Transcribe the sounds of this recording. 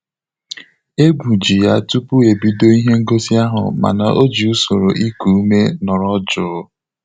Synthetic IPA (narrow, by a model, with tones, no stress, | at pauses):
e˦ɡʷu˨d͡ʒi˨ja˦tu˦pu˦e˨bi˦do˦i˦ɦe˦ŋ̩˦ɡo˦si˦a˦ɦʊ̰˨ma̰˨na̰˨ʔo˦d͡ʒi˨u˦so˨ɾo˨ʔi˦ku˨u˦me˦nɔ˨ɾɔ˦d͡ʒʊ˦